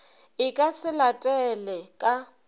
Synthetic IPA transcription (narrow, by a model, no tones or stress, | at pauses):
ɪkʼasɪlatʼɛlɛkʼa